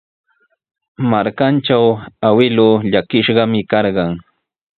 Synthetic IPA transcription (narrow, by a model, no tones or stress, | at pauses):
maɾkant͡ʃawawɪloʎakɪʃɢɑmɪkɑɾɢɑŋ